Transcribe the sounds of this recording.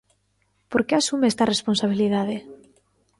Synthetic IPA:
poɾkeasumɛst̪aresponsaβ̞iliðað̞e

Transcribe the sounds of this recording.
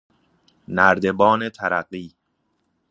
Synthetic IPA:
næɾd̪e̞bɒːnet̪ʰæɾæɢiː

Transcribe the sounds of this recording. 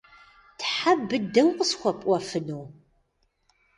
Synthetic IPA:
tʰħabɨdɨɐwqəsxʷɔpʼʔʷɔfɨnuw

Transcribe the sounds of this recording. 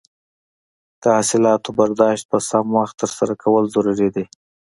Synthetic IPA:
d̪̥əasɪlɑt̪obaɾd̪ɑʃt̪̚pəsamwaxt̪ːəɾsaɾakʰawəlzaɾuɾid̪i

